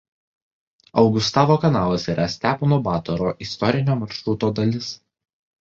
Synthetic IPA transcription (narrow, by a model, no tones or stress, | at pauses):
ɒʊɡʊst̪ɑːʋoːkɐnɑːlˠɐsiːɾʔɐsʲt̪ʲæːponobɑːt̪ɔɾoːʔɪst̪ɔɾʲɪnʲoːmɐɾʃɾʊt̪oːd̪ɐlʲɪs